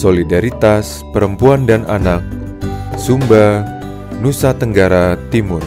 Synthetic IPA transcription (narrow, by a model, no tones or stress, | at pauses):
solidaɾit̪as | pəɾəmpuandananak̚ | sumba | nusat̪əŋɡaɾat̪imʊr